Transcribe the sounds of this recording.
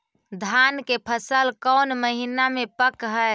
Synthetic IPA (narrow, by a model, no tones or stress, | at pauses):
d̪ʱankepʰəsəlkəwnməɦinamepəkɦəe